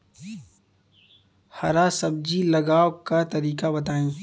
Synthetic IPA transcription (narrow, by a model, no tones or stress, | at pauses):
hɐɾasɐb̚d͡ʒilɐɡaːwkat̪ɐɾiːkabɐt̪aːẽː